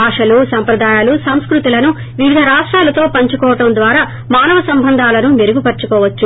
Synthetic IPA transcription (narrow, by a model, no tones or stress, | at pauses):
aːʂɐlusɐmpɾɐd̪aːjaːlusɐmskɾut̪ilɐnu | ʋiʋid̪ʱɐɾaːʂʈɾaːlɐt̪o̞ːpɐɲt͡ʃukɔːʋɐʈɐmd̪ʋaːɾaː | maːnɐʋɐsɐmbʱɐnd̪ʱaːlɐnumeɾuɡupɐɾt͡ʃːukɔːʋɐt͡ʃːu